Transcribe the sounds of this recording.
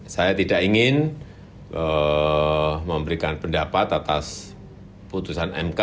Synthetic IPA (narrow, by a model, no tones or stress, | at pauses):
sajat̪idaʔiŋɪn | ʔə | məmbəɾikanpəndapat̪at̪as | put̪usanɛ̰mka